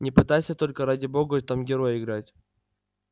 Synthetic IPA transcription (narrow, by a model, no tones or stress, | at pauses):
nʲɪpɨt̪ajsʲət̪o̞lʲkəɾadʲɪbo̞ɡət̪amɡʲɪɾo̞jɪɡɾatʲ